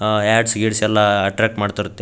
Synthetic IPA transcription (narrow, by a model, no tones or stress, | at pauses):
aːɖsɡiɽsɛlːaɐʈɾaːk̚ʈmaːɖt̪iɾut̪ːe